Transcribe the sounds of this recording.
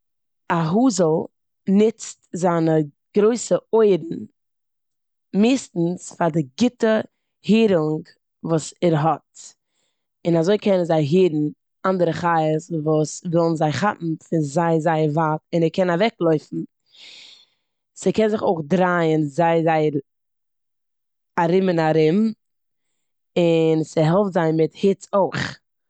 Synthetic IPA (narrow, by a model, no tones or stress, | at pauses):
aɦuːzəlˠ | nɪt͡stzaːnə | ɡ̥ɾoɪsəoɪɾn̩ | mɪːstn̩sfaɾdɪɡɪtə | hiːɾʊŋɡ | vuːsɛɾɦɔt | ɪnazoɪkʰɛnənzaɪɦiːɾn̩ | andəɾəχaɪəsvuːsvɛlˠn̩zaɪχaʔm̩fɪnzaɪzaɪəɾvatɪnɛɾkɛnavɛklˠoɪfn̩ | sɪkɛnzɪχoɪχdɾaɪənzaɪəzaɪəɾ | aɾɪmɪnaɾɪm | ɪnsəɦɛlˠftzaɪnmɪthɪt͡soɪχ